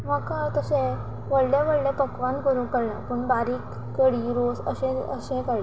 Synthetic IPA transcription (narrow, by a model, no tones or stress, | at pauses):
ʋəkaɭt̪əɕɛ̃ | ʋəɽljaʋəɽljapəkʋãnkəɾũːkəɽna̰pəɳbaɾiːkːəɽiːɾosə̰ɕɛ̃ə̰ɕɛ̃kaɽi